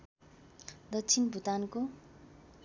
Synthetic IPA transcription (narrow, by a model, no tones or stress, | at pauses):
d̪ʌtːt͡sʰinbʱut̪anko